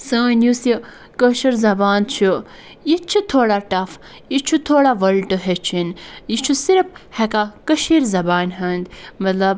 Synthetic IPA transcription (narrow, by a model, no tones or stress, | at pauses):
səːnjusji | kəʃɐɾzɐbaːnt͡ʃʰu | it͡ʃʰit̪ʰoːɽaʈɐf | it͡ʃʰut̪ʰoːɽaʋɐlʈɨɦet͡ʃʰinit͡ʃʰusiɾɐphekakəʃiɾzɐbaːnɦɐnd̪mɐt̪lɐb